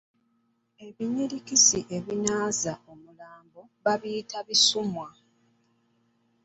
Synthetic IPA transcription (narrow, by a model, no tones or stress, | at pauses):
e̞βiɲiɾikisiʔe̞βinaːzaʔo̞mulaːmbo̞βaβiːtʰaβisumwa